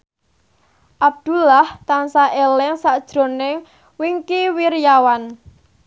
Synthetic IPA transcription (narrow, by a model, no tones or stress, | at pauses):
ʔab̚d̪̥ṳlaht̪ansaʔelɛŋsaʔd̥ʒ̥ɾo̤nɪŋ | wiŋkiwiɾjawan